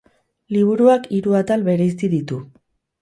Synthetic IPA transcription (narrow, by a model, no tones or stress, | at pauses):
liβ̞uɾuakiɾuat̪alβe̞ɾeis̬t̪iðit̪u